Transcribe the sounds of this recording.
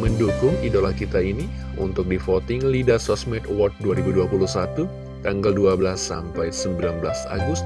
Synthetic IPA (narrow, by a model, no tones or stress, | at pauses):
məndukʊŋidolahkit̪aini | ṵnt̪ʊk̚difot̪ɪŋlidasɔsmɛt̪wɔrt̪̚duaɾibuduapuluhsat̪u | t̪aŋɡalduabəlasːa̰mpajsəmbilanbəla̰sa̰ɡʊst̪̚